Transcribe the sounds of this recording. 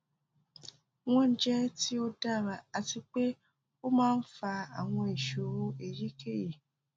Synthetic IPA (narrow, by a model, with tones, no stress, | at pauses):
w̃ɔ̃˦n̩˦d͡ʒɛ˦ti˦o˦da˦˨ɾa˨a˨ti˧k͡pe˦ | o˦mãː˦n̩˦fa˧a̰˨w̃ɔ̃˧i˨ʃo˨ɾo˨e˨ɾi˨˦ke˦˨ji˨